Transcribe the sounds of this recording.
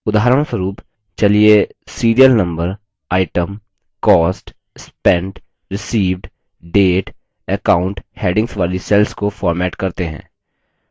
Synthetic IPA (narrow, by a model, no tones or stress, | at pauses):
ʊd̪aːɦɾəɽ̃swəɾuːp | t͡ʃɐliesiːɾijəlnɐ̃mbəɾ | aːɪʈəm | kɔːsʈ | spɛ̃ɳɖ | ɾɪsiːʋɖ | ɖeːʈ | əkaːʊ̃ɳʈheːɖɪ̃ŋɡsʋaːlisɛlskofɔːɾmɛːʈkɐɾt̪eɦɛ̰̃ː